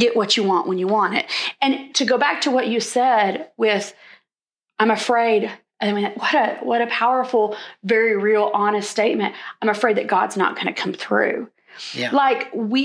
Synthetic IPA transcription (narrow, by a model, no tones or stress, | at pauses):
ɛʔwʌt͡ʃɨwɑ̃nʔwʔə̃njəwɑ̃nɪ̰t̚ɨ̃ntʰɨɡoʊbæk̚tʰəwʌt͡ʃɨ̥sɛdwɪð̥ | ãɪ̃mɨfɹeɪɾ | ɨɨ̃mĩnwʌɾɨwʌɾɨpʰaʊə˞fl̩ˠvɛɹiɹilˠʔɑnɨststeɪt̚mɨ̃ntãɪ̃mɨfɹeɪd̪̚ðɨt̚ɡ̥ɑ̰dz̥nə̰t̚ɡ̥ʌñɨ̰kʰʌ̃mθɹʉ̰ | laɪkwi